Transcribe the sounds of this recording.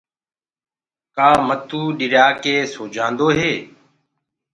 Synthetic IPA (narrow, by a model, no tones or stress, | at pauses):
kaːmət̪uːɗɪɾjaːkeːsoːd͡ʒʱãːnd̪oːɦeː